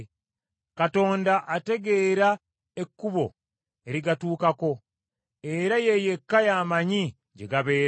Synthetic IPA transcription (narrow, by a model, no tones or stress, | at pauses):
kato̞ːndaʔate̞ɡe̞ːɾa | e̞kːuβo̞̰ | eɾiɡatuːkako̞ | e̞ɾajeje̞kːajaːmaɲi | ɟe̞ɡaβe̞ːɾ